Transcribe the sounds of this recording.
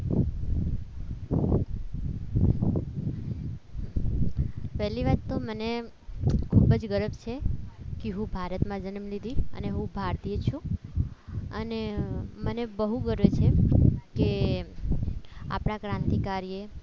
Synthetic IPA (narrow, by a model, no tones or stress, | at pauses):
pɛɦliʋaɾt̪oməne | kʰubəd͡ʒɡəɾəbt͡ʃʰekeɦũbʱaɾət̪mãd͡ʒənəmlid̪ʱiə̰neɦũbʱaɾt̪ijet͡ʃʰũ | ənemənebəɦuɡəɾʋet͡ʃʰeke | a̰pɳ̃akɾãnt̪ikaɾije